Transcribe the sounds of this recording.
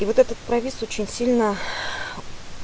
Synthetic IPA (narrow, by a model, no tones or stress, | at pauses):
ivot̪ɛt̪ət̪̚pɾɐvʲisot͡ɕɪnʲsʲilʲnə